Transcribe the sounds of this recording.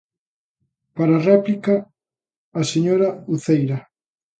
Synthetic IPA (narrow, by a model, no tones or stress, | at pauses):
paɾɐrɛplikɐː | seɲoɾɐuθejɾɐ